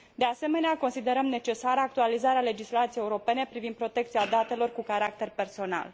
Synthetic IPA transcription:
d̪e̞ase̞me̞neako̞nsid̪e̞ɾəmne̞t͡ʃe̞saɾəak̚t̪ualizaɾeale̞d͡ʒislat̪siejeuɾo̞pe̞ne̞pɾivind̪pɾo̞t̪e̞k̚t̪siad̪at̪e̞lo̞rkukaɾak̚t̪e̞rpe̞rso̞na̰l

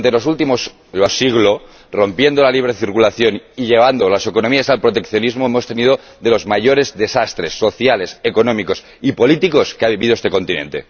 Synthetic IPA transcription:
nt̪elo̞s̬ult̪imos | losiɣlo̞ | ro̞mpje̞nd̪olaliβ̞ɾeθiɾkulaθjo̞niʎe̞β̞and̪o̞lase̞konomiasalpɾot̪e̞kθjo̞nizmoemo̞st̪e̞nið̞o | ðe̞lo̞zmaʝo̞ɾe̞zðe̞sast̪ɾe̞sːo̞θjale̞seko̞nomiko̞s | ipo̞lit̪iko̞skeaβiβiðoest̪eko̞nt̪inḛnt̪e̞̰

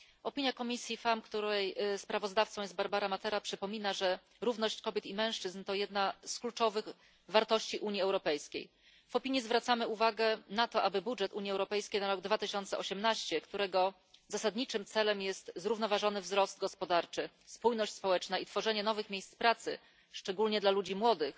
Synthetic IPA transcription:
ɔpʲiɲjakɔmʲisʲjifamkt̪uɾɛjspɾavɔzd̪aft̪sɔ̃wjɛst̪baɾbaɾamat̪ɛɾapʂɘpɔmʲinaʐɛ | ɾuvnɔɕt͡ɕkɔbʲjɛt̪imɛ̃w̃ʂt͡ʂɘznt̪ɔjɛd̪nasklut͡ʂɔvɘx | vaɾt̪ɔɕt͡ɕiʔuɲiɛwɾɔpɛjskʲḛj | v̥ɔpʲiɲizvɾat̪samɘuvaɡɛnat̪ɔʔabɘbudʐɛt̪uɲjiɛwɾɔpɛjskʲejnaɾɔɡd̪vat̪ɘɕɔnt̪sɛʔɔɕɛmnaɕt͡ɕɛkt̪uɾɛɡɔ | zasad̪ɲit͡ʂɘmt̪sɛlɛmjɛst̪zɾuvnɔvaʐɔnɘvzɾɔst̪ɡɔspɔd̪aɾt͡ʂɘ | spujnɔɕt͡ɕʲspɔwɛt͡ʂnait̪fɔʐɛɲɛnɔvɘxmʲjejst̪spɾat̪sɘ̰ | ʂt͡ʂɛɡulɲɛd̪lalud͡ʑimwɔd̪ɘx

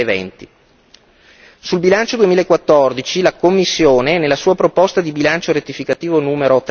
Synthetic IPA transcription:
evɛ̰nt̪i | sulbilant͡ʃod̪uwemiːlaekːwat̪ːɔrd̪it͡ʃilakomːisːjoːneɛnːelːasuːapɾopɔst̪ad̪ibilant͡ʃoɾet̪ːifikat̪iːvonuːmeɾot̪

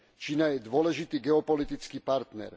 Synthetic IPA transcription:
t͡ʃinajɛd̪ʋʊɔlɛʒit̪iːɡɛɔpɔlit̪it͡skiːpaɾt̪nɛ̰ɾ

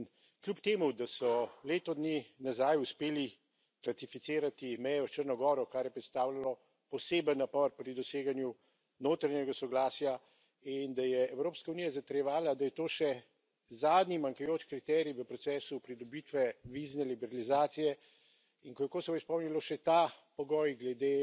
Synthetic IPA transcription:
klʲjupt̪eːmud̪asɔleːt̪ɔd̪ninazajuspeːli | ɾat̪ifit̪seːɾat̪imɛjɔʃt͡ʃəɾnɔɡɔːɾɔkaɾjɛpɾɛt̪st̪aːwlalɔ | pɔseːbənːapɔɾpɾid̪ɔseːɡanju | noːt̪ɾaɲjɛɡasɔɡlaːsja | ind̪ajɛɛwɾoːpskaunijazat̪ɾjɛʋaːlad̪ajɛt̪oːʃɛ | zaːd̪nimaŋkajoːt͡ʃkɾit̪ɛɾiʋəpɾɔt̪sɛːsupɾid̪ɔbit̪ʋɛʋiznɛlibɛɾalizaːt̪sijɛ | iŋkɔjɛkoːsɛbɔispɔwmnilɔʃɛt̪apɔɡɔjɡlɛd̪e

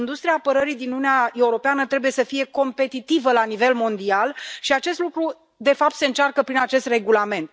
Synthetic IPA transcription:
ind̪ust̪ɾiaːpəɾəɾid̪inununeae̞uɾo̞peanət̪ɾe̞buje̞səfije̞ko̞mpe̞t̪it̪ivəlanive̞lmo̞nd̪ialʃiat͡ʃe̞st̪lukɾu | d̪e̞fap̚t̪se̞ɨnt͡ʃarkəpɾinat͡ʃe̞st̪re̞ɡulame̞nt̪

